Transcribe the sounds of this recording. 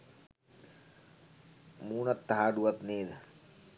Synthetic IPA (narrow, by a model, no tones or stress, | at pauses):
muːɳɐt̪ːɐɦaːɖuʋɐt̪neːd̪